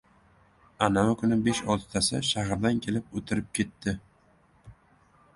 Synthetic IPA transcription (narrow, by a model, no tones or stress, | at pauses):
anavakʰʊnɪbeʃɒlˠt̪ɪ̥t̪ʰasɪ̰ʃahɾd̪ankʲʰe̞lɪp̚ot̪ʰɪɾɪp̚kʲʰe̞t̪ːɪ